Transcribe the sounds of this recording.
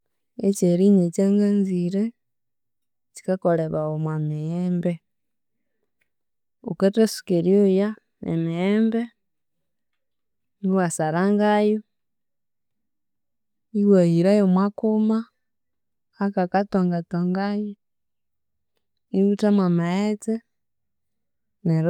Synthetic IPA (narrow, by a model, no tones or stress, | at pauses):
et͡ʃeɾiɲet͡ʃaŋɡanziɾe | t͡ʃi̥kakoleβaomwamijembe | oketesu̥keɾjoja | ḛmiembe | niwasaɾaŋɡajo | iwahiɾajomwakuma | kakatoŋɡatoŋɡaje | niwutamwamaet͡se | neɾ